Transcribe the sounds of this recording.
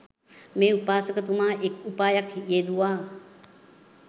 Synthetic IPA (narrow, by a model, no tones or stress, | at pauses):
mẽupaːsɐkət̪umaːʔekupaːjɐkʰjeːd̪uaː